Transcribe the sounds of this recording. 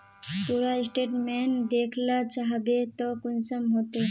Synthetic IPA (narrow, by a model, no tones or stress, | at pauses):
puɾaisʈeʈmend̪ekʰlat͡ʃaɦbet̪ɔkunt͡ʃɔmɦɔt̪e